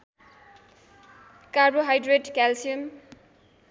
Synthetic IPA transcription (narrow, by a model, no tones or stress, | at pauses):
kaboɦajdɾeɖkalsium